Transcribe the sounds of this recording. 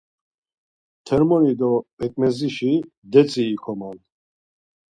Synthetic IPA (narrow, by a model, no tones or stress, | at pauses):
t̪ʰɛɾmɔnid̪ɔpʼɛkʼmɛziʃi | d̪ɛt͡sʼiːkʰɔman